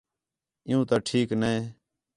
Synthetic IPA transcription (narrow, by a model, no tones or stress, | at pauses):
ɪjũːt̪aːʈʰiːknəe